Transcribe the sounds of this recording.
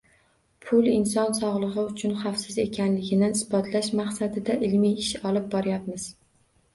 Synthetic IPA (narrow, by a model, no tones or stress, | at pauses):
pʰʊlˠɪnsɒnsɒʁlˠɨʁɨʊt͡ʃʰʊnχafsɪze̞kʲʰanlɪɡʲɪnɪɪsbɒt̪ʰlaʃmaχsad̪ɪd̪aʔɪlmiɪʃɒlɪp̚bɒɾɪjap̚mɪz̥